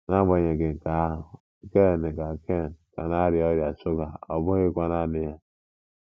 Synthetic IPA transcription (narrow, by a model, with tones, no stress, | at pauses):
na˦ɡ͡ba˨e˨ɡe˨ŋ̩˨ka˦ɦʊ˨ | ke˦˨ne˨ɡa˨kʰe˦˨nka̰˨na˦ɾi˨˦ɔ˦ɾja˨su˦ɡa˨o˨bo˦ɣe˦kʷa˦na˦˨ni˦ja˦